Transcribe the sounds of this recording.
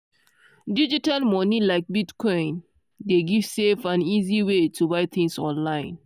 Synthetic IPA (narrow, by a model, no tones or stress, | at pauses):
did͡ʒitalmɔnilaɪk̚bitkʰɔ̃ɪ̃n | deɡiv̥sefãniziwetʰubaɪt̪ʰĩŋsɔ̃nlãɪ̃n